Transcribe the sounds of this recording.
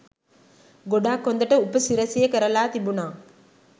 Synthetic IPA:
ɡoɖaːkːond̪əʈəupəsiɾɐsijəkəɾəlaːt̪ibunaː

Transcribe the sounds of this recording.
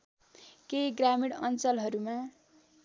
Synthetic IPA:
kejɡramiɽʌnt͡sʌlɦʌɾumã

